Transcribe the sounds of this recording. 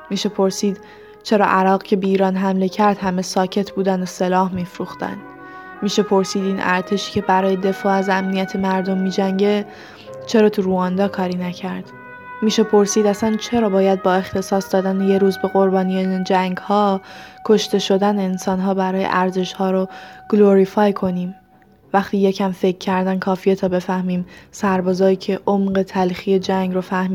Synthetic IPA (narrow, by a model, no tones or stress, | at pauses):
miːʃe̞pʰo̞ɾsiːd̪̥ | t͡ʃʰe̞ɾɒ̰ːʔæɾɒːɣcʰe̞beiːɾɒːnɦæmlecʰæɾd̪hæme̞sɒːcʰe̞t̪ʰbuːd̪ænd̪ose̞lɒːhmiːfɾuːxt̪æ̰nd̪ | miːʃe̞pʰo̞ɾsiːd̪iːnʔæ̰ɾt̪ʰe̞ʃi̥ːce̞bæɾɒːjed̪e̞fɒːæzæmnijæt̪ʰemæɾd̪o̞mːiːd͡ʒæŋɟe̞ | t͡ʃʰe̞ɾɒːt̪ʰuɾuɒːnd̪ɒːkʰɒːɾiːnæcʰæɾd̪̥ | miːʃe̞pʰo̞ɾsiːd̪æsænt͡ʃʰe̞ɾɒːbɒːjæd̪̚bɒːe̞xt̪ʰe̞sɒːsd̪ɒːd̪æneje̞ɾuːzbe̞ɣo̞ɾbɒːnijed͡ʒæŋɡhɒːkʰo̞ʃt̪e̞ʃo̞d̪æneːnsɒːnɦɒːbæɾɒːjḛʔæɾze̞ʃhɒːɾoɡ̥loɾifɒːjkʰo̞niːm | væxt̪iːje̞cʰæmfe̞cʰːæɾd̪ænkʰɒːfije̞t̪ʰɒːbe̞fæhmiːmsæɾbɒːzɒːjiːcʰeʔomɢe̞t̪ʰælxiːje̞d͡ʒæŋɡɾofæhmi